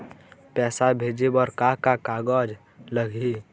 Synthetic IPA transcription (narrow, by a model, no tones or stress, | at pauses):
pɛːsabʱeːd͡ʒebɔɾkakakaːɡɔd͡ʒ | ləɡʱi